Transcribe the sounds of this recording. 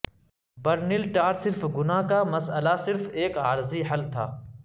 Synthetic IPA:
bɐɾnɪlʈaːɾsɪɾfɡʊnaːkamɐsəlasɪɾfeːkaːɾziɦɐlt̪ʰa̰ː

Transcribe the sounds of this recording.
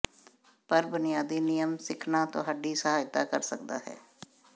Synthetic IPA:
pəɾbʊnɪjaːd̪iːnɪjəmsɪkʰnaːt̪õ̰ːɦəɖiːsəɦaːjɪt̪aːkəɾsəkd̪a̰ːɦɛ̰ː

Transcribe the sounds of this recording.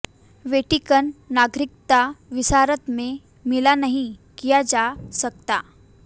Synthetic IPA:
ʋeʈikənːaɡɾik̚t̪aʋisaɾət̪me | milanəɦĩkijad͡ʑasək̚t̪a

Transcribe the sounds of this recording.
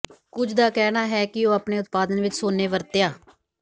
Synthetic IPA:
kʊd͡ʒd̪aːkɛːnaːɦɛːkɪoːaːpɳeːʊt̪̚paːd̪ənʋɪt͡ʃsoːneːʋəɾt̪ejaː

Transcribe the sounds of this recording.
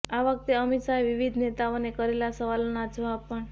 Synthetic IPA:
aʋək̚t̪eəmit̪sajʋiʋid̪ʱnet̪aonekəɾelasəʋalonad͡ʒoapəɳ

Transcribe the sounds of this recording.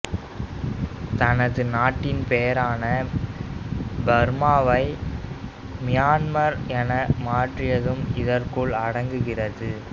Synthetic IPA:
t̪ɐnɐðɯnaːʈːɪnpejɐɾaːnɐ | bɐɾmaːʋɐɪ | mɪjaːnmɐɾɛnɐmaːʈrɪjɐðɯmɪðɐrkʊɭɐɽɐŋɡɯɣɪrɐðɯ

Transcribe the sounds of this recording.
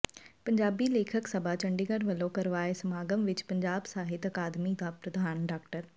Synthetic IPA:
pɐ̃ɲd͡ʑaːbileːkʰəksɐbʱat͡ɕɐ̃ɳɖɪŋɡəɾʋɐlokɐɾʋaːesɐmaːɡəmʋɪt͡ʃpɐ̃ɲd͡ʑaːbsaːɦɪt̪ɐkaːd̪mid̪aːpɾɐd̪ʱaːnɖaːkʈəɾ

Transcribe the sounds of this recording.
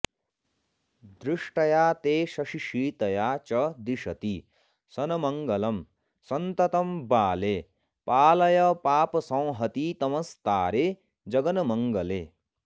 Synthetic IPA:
d̪ɾiʂʈɐjat̪eːsʌʂiʃiːt̪ɐjaːt͡ʃʌd̪iʃɐt̪i | sʌnɐmʌŋɡʌlʌm | sɐnt̪ɐt̪ɐmbaːle | paːlɐjʌpaːpsɐ̃w̃ɦʌt̪it̪ʌmʌst̪aːɾe | d͡zʌɡʌnɐmʌŋɡʌleː

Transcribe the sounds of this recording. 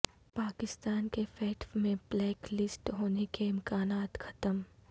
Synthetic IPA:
paːkɪst̪aːnkefɛːʈfmẽblɛːklɪsʈɦoːnekeɪ̃mkaːnaːt̪xʰɐ̥t̪əm

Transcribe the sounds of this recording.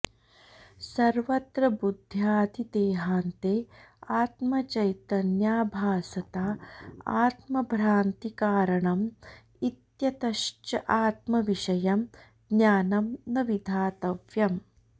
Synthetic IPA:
sɐɾʋɐt̪ɾɐbud̪ʱjaːd̪ʱid̪eːɦaːnt̪eːaːt̪mɐt͡ʃɐjt̪ɐnjaːbʱaːsɐt̪aːaːt̪mɐbʱɾaːnt̪ikaːɾɐɳɐm | it̪jɐt̪ɐʃt͡ʃɐʔaːt̪mɐʋiʃɐjɐm | ɡ̪njaːnɐmnɐʋid̪ʱaːt̪ɐʋjɐm

